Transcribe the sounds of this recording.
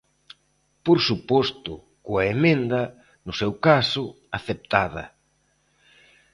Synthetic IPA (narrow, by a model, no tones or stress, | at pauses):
poɾsupɔst̪ʊ | kʊɐemẽnd̪ɐ | nʊsewkasʊ | aθep̚t̪að̞ɐ̰